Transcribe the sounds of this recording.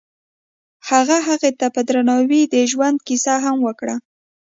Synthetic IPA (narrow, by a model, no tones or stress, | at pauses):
haɣaɦaɣet̪apəd̪ɾanɑwid̪əʒwand̪̚kisaɦamwəkɽa